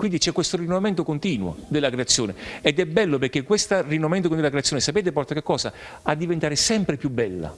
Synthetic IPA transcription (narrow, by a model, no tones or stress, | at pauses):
kwind̪it͡ʃɛkːwest̪orinːovament̪okont̪iːnwo̰d̪elːakɾeat̪sːjoːneed̪ɛbɛlːoperk̟ːekːwest̪arinːovament̪okind̪lakɾeat̪sjoːnesapeːt̪̬epɔrt̪akekːɔːsa | ad̪ːivent̪aːɾesɛmpɾepjubːɛlːa̰